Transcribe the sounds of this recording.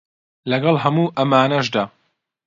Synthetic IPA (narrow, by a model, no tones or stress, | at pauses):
lɐɡɐlˠɦɐmuːʔɐmaːnɐʒd̪aː